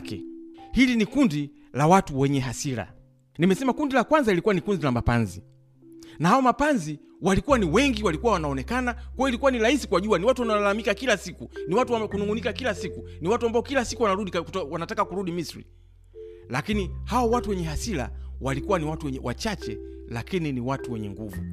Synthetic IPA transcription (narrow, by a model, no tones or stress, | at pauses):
kɛ̰hilinikundi | lawatuwɛɲɛɦasila̰ | nimɛsɛmakundilakwanzailikuwanikunzilamapa̰nzḭ | nahaɔmapanzi | walikuwaniwɛŋɡiwalikuwawanaɔnɛkanakwaɔilikuwanilahisikuwaʄuaniwatuwanawalalamikakilasikuniwatuakunuŋɡunikakilasikuniwatuambaɔkilasikuwanaɾuɗiwanatakakuɾuɗimisɾḭ | lakinihaɔwatuwɛɲɛɦasila̰walikuwaniwatuwɛɲɛwa̰t͡ʃat͡ʃɛlakininiwatuwɛɲɛ̰ŋɡṵvṵ